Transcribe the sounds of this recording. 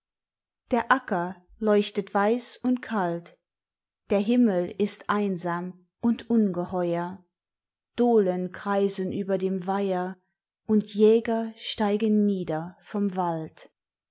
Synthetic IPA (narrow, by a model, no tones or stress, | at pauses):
d̥eːɐʔakɐlɔʏçtətv̥aɪsʊntkʰalt | d̥eːɐɦɪməlɪstʔaɪnzaːm | ʔʊntʔʊnɡəhɔʏɐ | d̥oːlənkʁ̥aɪzənʔyːbɐdeːmvaɪɐ | ʔʊntʰjɛːɡɐʃtaɪɡənːiːdɐfɔmvalt